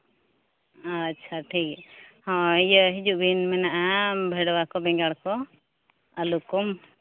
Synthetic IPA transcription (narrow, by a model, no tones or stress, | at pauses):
atːʃʰaʈʰikhɔ̃ijəɦid͡ʒuʔbʱinmɛnaʔabʱəjɽɔwakɔbɛ̃ŋɡaɽkɔ | əlukɔm